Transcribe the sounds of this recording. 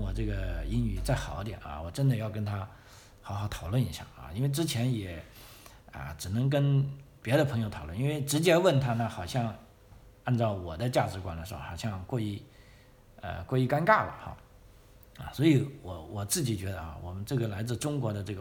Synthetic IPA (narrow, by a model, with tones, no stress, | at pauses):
wɔ˨˩ʈ͡ʂɤ˥˩ɡə˩i˥ŋy˨˩t͡sa˥˩ɪxɑ˨˩˦jɛ̰˨˩na̰˧˩wɔ˨˩ʈ͡ʂə˥nd̪ə˨jɑ˥˩ʊkə˥nt̪ʰa˥ | xɑ˧˥xɑ˧˩ʊt̪ʰɑ˨˩ʊlwə˥˩ni˧˥ɕja̰˥˩ɐ̰˥˧i˥nwe˥˧ɪʈ͡ʂɻ̩˥t͡ɕʰjɛ˧˥njɛ˨˩˥ | ə̰˧ʈ͡ʂɻ̩˨˩nɤ˧˥ŋk̬ə˥npjɛ˧˥ɾə˧pʰɤ˧˥ŋjo˧ʊt̪ʰɑ˨˩˦lwə˥˩n˧i˥nwe˥˩ɪʈ͡ʂɻ̩˧˥t͡ɕjɛ˥wə˥˩nt̪ʰa˥na˥˩xɑ˨˩ʊɕjɑ˥˧ŋ | a˥˧nʈ͡ʂɑ˥˩ʊwɔ˨˩d̪ə˦t͡ɕja˥˩ʈ͡ʂɻ̩˧˥kwa˨˩nd̪ə˩ʂɻ̩˧˥xo̰˧˩xɑ˨˩ʊɕjɑ˥˧ŋkwɔ˥˧i˥˩ | ə̰˧kwɔ˥˧i˥˩ka˥nka˥˩lə̰˩xɑ̰˥˩ | ɐ̰˧swɔ˧˥i˧˥wɔ˧˩wɔ˨˩t͡sɹ̩˥˩t͡ɕi˨˩t͡ɕɥɛ˧˥d̪ə˧ɑ̰a̰˥˩wɔ˨˩mə˦nʈ͡ʂɤ˥˩ɡə˩la˧˥ɪt͡sɹ̩˥˩ʈ͡ʂʊ˥ŋkwɔ˧˥d̪ə˧ʈ͡ʂɤ˥˩ɡə˩